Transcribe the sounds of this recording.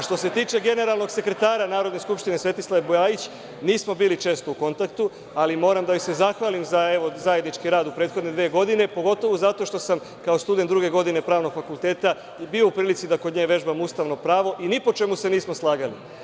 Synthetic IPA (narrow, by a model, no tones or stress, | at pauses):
ʃt̪o̞se̞t̪iːt͡ʃe̞ɡe̞ne̞ɾalˠno̞ɡse̞kɾet̪aːɾanaːɾo̞d̪ne̞skupʃt̪ine̞sʋe̞t̪islˠaʋebujajit͡ɕ | niːsmo̞biːlit͡ʃe̞ːst̪o̞uko̞nt̪akt̪u | alimo̞ːɾamd̪aojsezaxʋaːlimzae̞ʋo̞zaje̞d̪nit͡ʃkiɾaːd̪upɾeːt̪xo̞d̪ned̪ʋeːɡo̞d̪ine̞po̞ɡo̞t̪o̞ʋuzat̪o̞ʃt̪o̞sam | kao̞st̪ud̪enɾuɡe̞ɡo̞d̪ine̞pɾaːʋno̞ɡ̥fakulˠt̪e̞ːt̪a | bioupɾiːlit̪sid̪ako̞d̪ɲeːʋe̞ʒbamust̪aʋno̞pɾaːʋo̞ʔinipo̞t͡ʃe̞muse̞niːsmo̞slˠaːɡali